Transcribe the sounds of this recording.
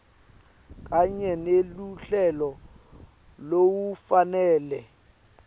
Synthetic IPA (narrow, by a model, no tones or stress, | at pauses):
kʼaɲɛneluɬɛlɔ | lowufanɛːlɛ